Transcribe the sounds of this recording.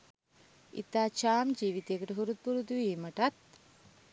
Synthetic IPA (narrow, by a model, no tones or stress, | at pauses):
ḭt̪aːt͡ʃaːmd͡ʒiːʋit̪ejəkəʈəɦuɾut̪̚puɾut̪uʋiːməʈat̪̚